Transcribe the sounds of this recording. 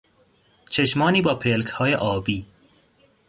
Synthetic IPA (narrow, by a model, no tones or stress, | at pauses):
t͡ʃʰeʃmɒːniːbɒːpʰelkʰhɒːjeʔɒːbiː